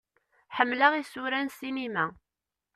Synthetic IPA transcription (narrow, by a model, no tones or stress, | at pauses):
ħəmːlaʁisuɾænsinimæ